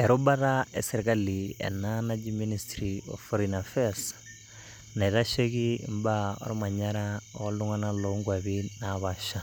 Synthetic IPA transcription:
ɛɾubataɛsɛɾɛkaliɛ̰nanad͡ʒiministɾiɔ̰fɔɾinafɛas | naiɾaʃekimbaɔ̰ɾɔmaɲaɾaɔ̰luŋanalɔŋɡwaβinaβaʃa

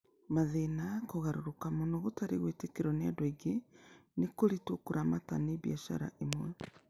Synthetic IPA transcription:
maðenakoɣaɾoɾokamonoɣotaɾeɣwetekeɾɔneadwɔiɡenekoɾitokuɾamataneβiaʃa̰ɾa̰ʔemwɛ

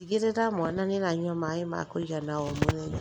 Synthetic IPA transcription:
iɣeɾeɾamwananenaɲamaema̰koiɣanaɔmonɛɲa

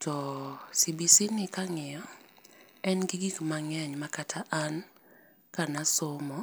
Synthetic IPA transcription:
tʰɔsibisinɪkaŋɪjɔ | ɛnɡiɡikmaŋɛɲmakatʰaʔan | kanasomɔ

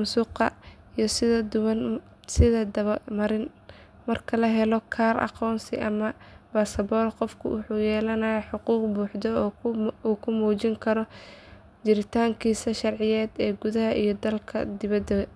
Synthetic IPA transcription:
suːqɐ̰ | ijɞsɪðɐd̪ʊwɐn | sɪðɐd̪ɐβɐmɐɾɪn | mɐrkʰɐlɐɦɛlɔkʰaːrʔɑ̰qɔːnsɪ̰ʔɐmɐbaːsɐbɔːlqɔfkʰʊ̰wʊħuːjɛːlɐnɐjɐħʊquːqbuːħd̪ɔ | uːkʰʊmuːt͡ʃɪŋkʰɐɾɔ | d͡ʒɪɾɪt̪ʰaːŋkʰiːsɐʃɑrʕɪjɛːd̪ɛːɡʊðɐɦɐʔijɞd̪ɐlkʰɐ̰d̪ɪβɐd̪ɐ

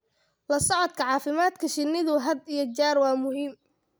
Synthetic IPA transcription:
lɐsɔʕɔd̪kʰɐʕɑːfɪmaːd̪kʰɐʃɪnːɪðʊɦɐd̪ijɔt͡ʃaːrwɑːmʊɦiːm

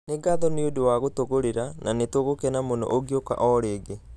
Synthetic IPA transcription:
neɡaðɔneodowaɣotoɣoɾeɾananetoɣokɛnamonɔ̰ʔoɡioka̰ʔɔɾeːɡe

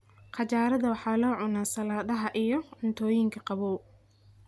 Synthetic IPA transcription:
qɑt͡ʃaːɾɐðɐwɑħɑːlɔːʕʊnaːsɐlaːðɐɦɐʔijɔʕʊnt̪ʰɔːjɪŋkʰɐqɑβɔː

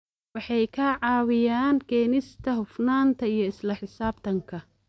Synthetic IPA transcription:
wɑħɑjkʰaʕɑːwɪjaːnkʰɛːnɪst̪ʰɐɦʊfnaːnt̪ʰɐijɞɪslɐħɪsaːb̚t̪ʰɐŋkʰɐ

